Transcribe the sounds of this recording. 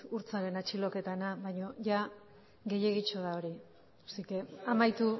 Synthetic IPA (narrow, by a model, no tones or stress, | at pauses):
uɾt͡saɾe̞nat͡ʃilo̞ke̞t̪anaβaɲo̞ʝa | ɣe̞je̞ɣit͡ʃoðao̞ɾi | sikeamajt̪u